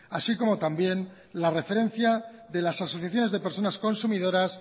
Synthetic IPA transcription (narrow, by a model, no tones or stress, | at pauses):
asiko̞mo̞t̪ambje̞n | lare̞fe̞ɾẽ̞n̟θjaðe̞lasasoθjaθjo̞ne̞zðe̞pe̞ɾso̞nasko̞nsumiðo̞ɾas